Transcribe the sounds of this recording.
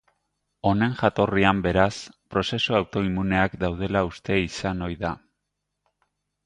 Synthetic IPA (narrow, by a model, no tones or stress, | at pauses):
o̞ne̞ŋʝat̪o̞riambe̞ɾaspɾo̞se̞suawt̪o̞imune̞akd̪awð̞e̞laust̪e̞isano̞jða